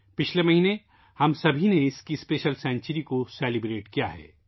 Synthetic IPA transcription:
pɪt͡ʃʰlemɐɦiːne | hɐmsɐbʱineɪskispeːʃəlsɛ̃ːɲt͡ʃəɾikoseːlibɾeːʈkija̰ɦɛ̰ː

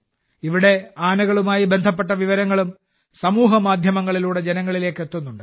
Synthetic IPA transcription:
iʋiɽe̞aːnɐɣɐɭumaːjibe̞nd̪ʱɐp̬ːe̞ʈːɐʋiʋɐɾɐŋːɐɭum | sɐmuːɦɐmaːd̪ʱjɐmɐŋːɐɭiluːɽe̞d͡ʑenɐŋːɐɭile̞ːkːe̞t̪ːunːuɳɖɨ

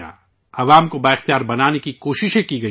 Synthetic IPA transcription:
a̰ː | ɐʋaːmkobaɪxt̪ijaːɾbɐnaːnekikoːʃɪʃẽkiɡɐ

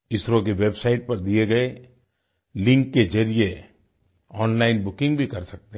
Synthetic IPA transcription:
ɪsɾõk̬eʋebsaːɪʈ̚pɐɾd̪ieɡɐe | lɪ̃ŋkːed͡ʒɐɾie | ɔːnlaːɪnbʊkɪ̃ŋɡbʱikɐɾsɐk̚t̪e

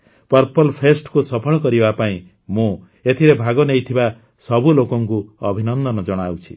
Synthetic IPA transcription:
pɔɾpɔlpʰesʈkusɔpʰɔɽ̃ɔkɔɾibapaĩ | mũ | et̪ʰiɾebʱaɡɔnejt̪ʰiba | sɔbulokɔŋkuɔbʱinɔnd̪ɔnɔd͡ʒɔɽ̃awt͡ʃʰi̥̰

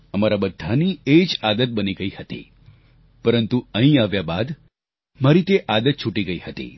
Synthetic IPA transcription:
əmaɾabəd̪ʱːanied͡ʒad̪ət̪̚bəniɡəihət̪ḭ | pəɾənt̪uəɦĩaʋjabad̪ | maɾit̪eʔad̪ət̪̚t͡ʃʰuʈiɡəihət̪ḭ

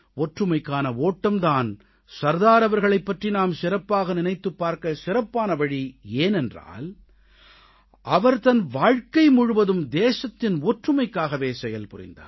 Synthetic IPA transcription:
ɔʈrɯmɐɪkːaːnɐoːʈːɐmt̪aːn | sɐɾðaːɾɐʋɐɾɣɐɭɐɪpːɐʈrinaːmsɪɾɐpːaːɣɐnɪnɐɪt̪ːɯpːaːɾkɐsɪɾɐpːaːnɐʋɐɻieːnɛndra̰ːl | ʔɐʋɐɾt̪ɐnʋaːɻkɐɪmʊɻʊʋɐðɯmd̪eːʃɐt̪ːɪnɔːʈrɯmɐɪkːaːɣɐʋeːsɛjɐlpʊrɪ̰nd̪a̰ːɾ

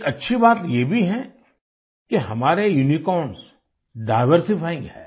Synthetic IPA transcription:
kɐtːʃʰibaːt̪jebʱiɦɛ̃ | keɦɐmaːɾejʊnikɔːɳs | ɖaːɪʋəɾsifaːĩɦɛ̰ː

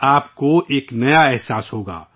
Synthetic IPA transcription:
aːpkoʔeːknɐjaɛɦsaːsɦoːɡa̰ː

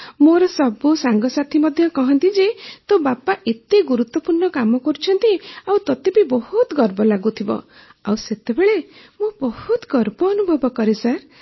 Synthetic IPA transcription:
moɾɔsɔbusaŋɡɔsat̪ʰimɔd̪ʱjɔkɔɦɔnt̪id͡ʒet̪obapaʔet̪eɡuɾut̪wɔpuɾɳɔkamɔkɔɾut͡ʃʰɔnt̪iawt̪ɔt̪ebibɔhut̪ɡɔɾbɔlaɡut̪ʰibɔ̰ | a̰wset̪ebeɭe | mobɔhut̪ɡɔɾbɔːnubʱɔbɔkɔɾesaɾ

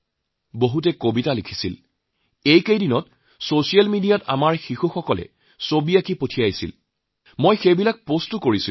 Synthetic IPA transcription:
boɦutɛkobitalikʰi̥sil | ejkejdinɔt̚ | sosijalmidijata̰maɹxixuxɔkɔlɛ̰ | sobiakipotʰijajsḭl | mojxejbilak̚postukoɹisi

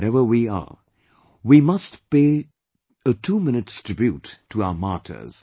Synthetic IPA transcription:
ɾɛvə˞wiə̰ | wimʌstpeː | ətʰuːmɪ̃nɨtstʰɹ̥ɪbjutʰːuaʊəmɑɹtʰə̰˞z̥

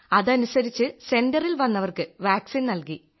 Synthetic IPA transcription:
ɐðɐnusɐɾit͡ɕːɨse̞ndɐrilʋɐnːɐʋɐrkɨʋaːksinnɐlki

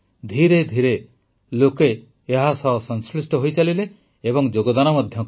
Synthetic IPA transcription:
d̪ʱiɾed̪ʱiɾe | lokeː | ɦasɔɦsɔŋslisʈɔɦojt͡ʃalileː | bɔŋd͡ʒoɡɔd̪anɔmɔd̪ʱjɔk

